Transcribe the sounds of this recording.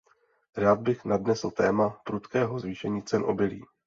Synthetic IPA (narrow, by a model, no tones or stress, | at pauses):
ɾaːd̪̚bɪxnadnɛsl̩t̪ɛːmapɾut̪kɛːɦo̞zviːʃɛɲiːt͡sɛnʔo̞̰bɪlḭː